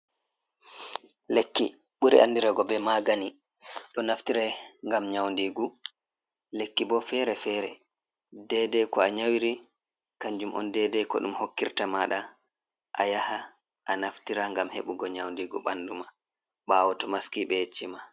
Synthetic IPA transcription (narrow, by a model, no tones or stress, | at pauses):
lekːḭɓuɾɛ̰ʔandiɾaɡɔbɛmaɡani | ɗɔnaftiɾɛŋɡamɲawndiɡu | lekːibɔfɛɾɛfɛːɾɛ | dɛdɛkɔaɲawiɾi | kaɲd͡ʒumʔɔ̰ndɛdɛkɔ̰ɗumhokːiɾtamaɗa | ʔa̰jaha | ʔanaftiɾaŋɡamhḛɓuɡɔɲawndiɡuɓanduma | ɓawɔtɔmaskiɓɛjet͡ʃːima